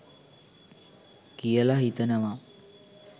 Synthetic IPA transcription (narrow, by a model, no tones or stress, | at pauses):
kijəlaɦit̪ənəʋa